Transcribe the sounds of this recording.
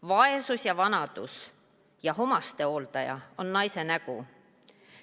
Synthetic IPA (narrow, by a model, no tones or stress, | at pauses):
vɑesusjɑvɑnɑd̪̥us | jɑɦo̞mɑst̪e̞o̞ːlt̪ɑjɑ̰o̞nːɑjse̞næɡ̥u